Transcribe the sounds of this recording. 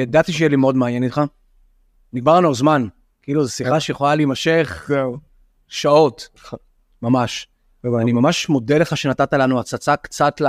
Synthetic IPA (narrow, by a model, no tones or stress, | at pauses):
jad̪at̪iʃejɛlimeodmeanjenit̪χa | niɡmaʁanualzman | kiiːluzesiχaʃejeχolalimaʃeχ | ʃao̞t̪ | mamaʃ | animamaʃmo̞deleχaʃe̞natat̪alanuat͡sat͡sakt͡sat̪l